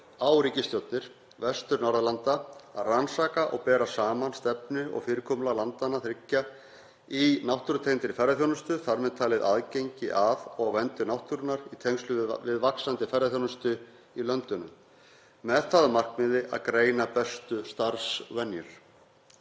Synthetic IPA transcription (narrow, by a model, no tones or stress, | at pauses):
aːwɾiːcɪst̪jowt̪nɪɾ̥ | vɛst̪ʏɾnawɾðalant̪aaransaːkaʔɔɣpɛːɾasaːmanst̪ɛp̚nɪɔ̰ɣfɪːɾɪkʰɔmlalant̪anaθɾɪcːa | inawht̪uɾʏt̪ʰejnt̪ɪɾɪfɛɾaθjownʏst̪ʏθaɾmɛðt̪ʰaːlɪðʔa̰ðcejɲcɪʔaðɔɣvɛnt̪ʏnawht̪uɾʏnaɾit̪ʰejŋst̪lʏvɪðvaksant̪ɪfɛɾaθjownʏst̪ʏ | ilœnt̪ʏnʏ̰m | mɛðθaðmar̥kmɪðɪʔa̰ðkɾeːjnapɛst̪ʏst̪aɾsvɛnjʏɾ̥